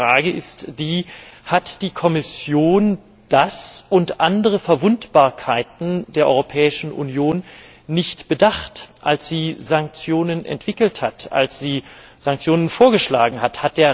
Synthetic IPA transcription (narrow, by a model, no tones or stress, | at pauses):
ʁaːɡəɪstd̥iːhatd̥iːkʰɔmɪsjoːn | d̥asʊntʔandəʁ̞əfɛɐvʊntb̥aːɐkʰaɪtn̩deːɐʔɔʏʁopʰɛːɪʃn̩ʔṵnjoːnː | ɪçtb̥ədaχtʔalsz̥iːzaŋk̚t͡sjoːnənʔɛ̰ntv̥ɪkl̩thatʔa̰lsz̥iː | z̥aŋk̚t͡sjoːnənfoːɐɡəʃla̰ːɡŋ̩ɦathat̚d̥eːɐ